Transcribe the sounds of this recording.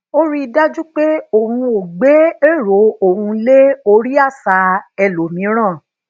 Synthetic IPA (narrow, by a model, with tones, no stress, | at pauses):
o˦ɾi˦i˧da˦d͡ʒu˦k͡pe˦o˨hũ˧o˨ɡ͡be˨˦e˦˨ɾo˨˦o˨ɦũ˧le˦o˧ɾi˦a˦˨sa˨˧ɛ˧˨lo˨mĩ˨˦ɾ̃ãː˦˨